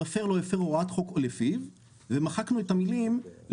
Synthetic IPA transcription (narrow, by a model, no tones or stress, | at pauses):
afeʁlojafeʁoʁat̪χo̞kolefiv | vemaχaknuetamiliml